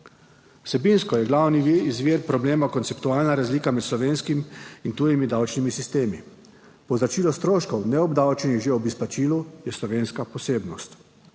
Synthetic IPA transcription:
wsɛbinskɔjɛɡlawniizʋiːɾpɾɔbleːmakɔnt̪sɛpt̪uaːlnaɾazliːkamɛt̪slɔʋeːnskimint̪uːjimid̪awt͡ʃnimisist̪eːmi | pɔzat͡ʃiːlɔst̪ɾoːʃkɔwnɛɔbd̪awt͡ʃniɣʒeɔbispat͡ʃiːlujɛslɔʋeːnskapɔseːbnɔst̪

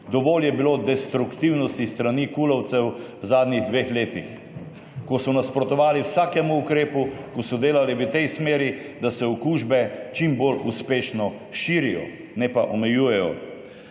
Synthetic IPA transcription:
d̪ɔʋoːljɛbilod̪ɛst̪ɾukt̪iwnɔst̪ist̪ɾaniːkulɔwt̪sɛwwzaːd̪niɣd̪ʋexleːt̪ix | kɔsɔnaspɾɔt̪ɔʋaːliwsaːkɛmuːkɾeːpukɔsɔd̪eːlaliʋət̪ɛjsmeːɾi | d̪asɛɔkuːʒbɛt͡ʃimboluspeːʃnɔ | ʃiːɾijɔ̰ | nɛpaʔɔmɛjuːjɛjɔ̰

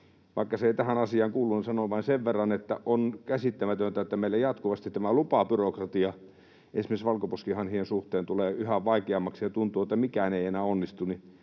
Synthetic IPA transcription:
ʋʔɑˑikːɑseeˑit̪æhænɑsiɑːŋkuːlːunisɑnoʋɑinseʋʋerːɑnet̪ːæ̰ʔonkæsit̪ːæmæt̪ønt̪æet̪ːæmeilːæjɑt̪kuʋɑst̪it̪t̪ːæmælupɑpyrokrɑt̪iɑ | ḛnsmisʋɑlkoposkihɑnhiensuht̪eːnt̪uleːyhæʋʋɑikeɑmːɑksijɑt̪unt̪uːet̪ːæmikæneienæːonːist̪uni

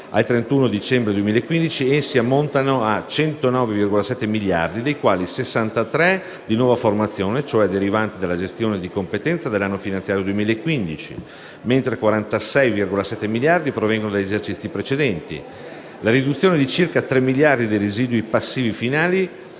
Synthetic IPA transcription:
a̰lt̪ɾent̪uːnod̪it͡ʃɛmbɾed̪uemilaekːwind̪it͡ʃiesiamːont̪anoat͡ʃɛnt̪onɔːvevirɡolasɛt̪ːemilja̰rd̪id̪ejkwaːlisesːant̪at̪ɾɛ | d̪inwɔːvaformat̪sːjoːnet͡ʃoɛd̪eɾivant̪id̪elːad͡ʒest̪joːned̪ikompet̪ɛnt̪sad̪elːanːofinant̪jaːɾjod̪uwemiːlaekːwind̪it͡ʃḭ | ment̪ɾekwaɾant̪asɛjvirɡolasɛt̪ːemiljard̪ipɾovɛŋɡonod̪aʎːezert͡ʃit̪sːipɾet͡ʃed̪ɛnt̪ḭ | laɾid̪ut̪sːjoːned̪it͡ʃirkat̪ɾɛmːiljard̪id̪ejɾeziːd̪wipasːiːvifinaːli

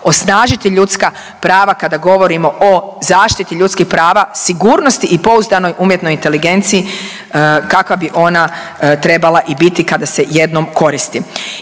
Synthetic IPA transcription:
o̞snaːʒit̪iʎut̪ska | pɾaːʋakad̪aɡo̞ʋo̞ɾimo̞ʔozaːʃt̪it̪iʎut̪skixpɾaːʋasiɡuːɾno̞st̪iʔipo̞uzd̪ano̞jʔuːmje̞t̪no̞jint̪e̞liɡe̞nt̪siji | kakʋabiʔo̞nat̪ɾe̞balˠaʔibit̪ikad̪ase̞je̞d̪nomko̞ɾist̪i

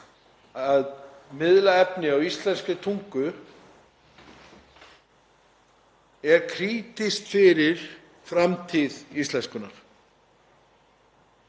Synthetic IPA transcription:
aðmɪðlaɛpnɪawist̪lɛnskʏt̪ʰuŋkʏ | ɛɾkʰɾiːt̪iskfɪɾɪɾ̥ | fɾamt̪ʰiðist̪lɛnskʏnaɾ̥

